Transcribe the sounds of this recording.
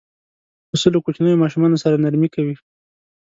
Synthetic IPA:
əsəlokut͡ʃanəjomɑʃumɑnosaɾanaɾmikawi

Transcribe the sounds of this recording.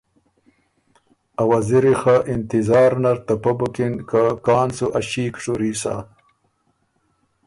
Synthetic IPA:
awaziɾixaʔɪnt̪ɪzɑːɾnaɾt̪apɐbukinkakɑːnsuʔaɕiːkʂuɾiːsa̰

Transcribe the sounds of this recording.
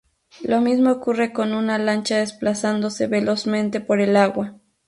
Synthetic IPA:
lomismoːkure̞ko̞nunalant͡ʃaðesplasand̪oseβelosmẽ̞nt̪e̞poɾelaɣwa

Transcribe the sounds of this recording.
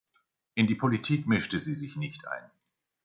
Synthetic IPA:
ʔɪndiːpʰolitʰiːkmɪʃtəziːzɪçnɪçtʔa̰ɪn

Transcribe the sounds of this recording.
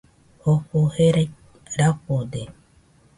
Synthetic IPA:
hoɸoheɾaj | ɾapod̪e

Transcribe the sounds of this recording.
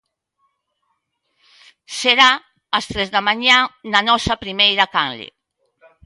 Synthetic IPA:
seɾa | ast̪ɾɛzðamaɲananɔsapɾimejɾakanlḛ

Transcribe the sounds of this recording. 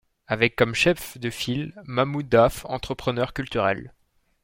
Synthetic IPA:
avɛkːɔmʃɛfd̪əfilmamud̪afɑ̰̃t̪χəpχənœʁkʲylt̪yʁɛl

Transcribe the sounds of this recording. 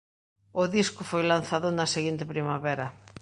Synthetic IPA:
ʊðiskʊfojlan̟θaðʊnɐseɣint̪ɪpɾimaβɛɾɐ

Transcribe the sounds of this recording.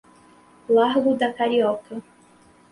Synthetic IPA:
laɾɡʊd̪ɐkaɾiɔkɐ

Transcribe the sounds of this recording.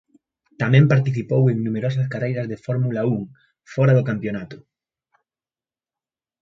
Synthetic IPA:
t̪amɛ̃mpaɾt̪iθipoweŋnumeɾos̬ɐskarejɾɐzðefoɾmulauŋ | fɔɾaðʊkampjonat̪ʊ̥

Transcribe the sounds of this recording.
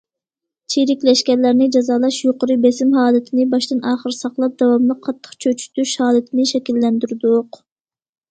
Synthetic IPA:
t͡ʃʰiɾɪkʲlɛʃkʲɛɾlæɾnɪd͡ʒɑzɑːlˠɑʃjoqəɾɨbesɪmɦɑːlˠɨt̪ʰɪnɪbɑʃt̪ɨnɑːχəɾsɑqlˠɑp̚d̪̥ɛwɑmlˠəqʰːɑt̪ʰːə̥χt͡ʃʰøt͡ʃʰy̥t̪yʃhɑːlˠɨt̪ʰɪnɪʃɛkʲilːɛnd̪yɾɪd̪ʊq

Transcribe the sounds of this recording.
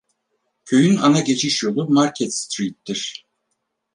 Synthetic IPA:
cʰø̞jynanaɟe̞t͡ʃʰiʃjod̪umaɾcʰɛt̪st̪ɾit̪̚ːiɾ̥

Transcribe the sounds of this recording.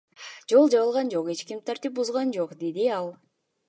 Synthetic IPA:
d͡ʒo̞lˠd͡ʒɑβɯlˠʁɑnd͡ʒo̞qe̞t͡ʃkʲimt̪ʰaɾt̪ip̚buzʁɑnd͡ʒo̞qd̪e̞d̪iɑlˠ

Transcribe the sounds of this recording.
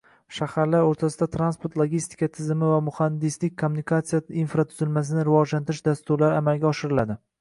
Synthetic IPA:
ʃahaɾlaɾoɾt̪ʰasɪd̪at̪ʰɾanspoɾt̪lˠoɡʲist̪ʰɪ̥kat̪ʰɪzɪmɪvamʊhand̪ɪslɪk̚ʲkʰomːʊnikʰat̪sijainfɾat̪ʰʊzɪlmas̬ɪnɪɾɪvɒd͡ʒlant̪ɪɾɪʃd̪ast̪ʊɾlaɾɪamalɡʲaɒʃɪɾɪlad̪ɪ

